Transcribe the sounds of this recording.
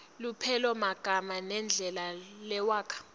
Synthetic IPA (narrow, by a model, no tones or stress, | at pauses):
lupʰɛlɔmaɡ̥ʱamanɛnd͡ɮʱɛlalɛwaːkʰḁ